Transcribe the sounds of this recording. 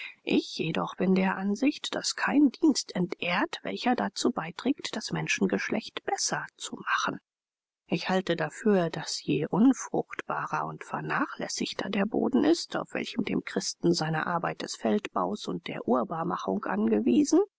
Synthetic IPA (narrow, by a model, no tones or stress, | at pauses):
ʔɪçjedɔχb̥ɪndeːɐʔanzɪçtd̥askʰaɪndiːnstʰɛntʔeːɐtv̥ɛ̰lçɐdat͡suːbaɪtʁ̥ɛːktd̥asmɛnʃn̩ɡəʃlʔɛçtb̥ɛsɐt͡sumaχn̩ | ʔɪçhaltədafyːɐdasjeːʔʊnfʁ̥ʊ̰xtb̥aːʁɐʊntfɛɐnaːχlɛ̰sɪçtʰɐdeːɐbo̰ːdn̩ʔɪstʰa̰ʊfv̥ɛ̰lçəmdḛːmkʁ̥ɪstn̩zaɪnɐ̰ʔa̰ɐbaɪt̚d̥ɛsfɛltb̥a̰ʊsʊnt̚d̥ḛːɐʔuːɐbaːmaχʊŋkʔa̰nɡəviːzn̩